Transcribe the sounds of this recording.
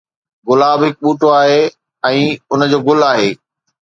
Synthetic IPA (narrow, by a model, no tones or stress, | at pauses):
ɡʊlaːbɦɪk̚ɓuːʈoaːɦeː | ɛ̃ːʊnəd͡ʑoːɡʊlaːɦeː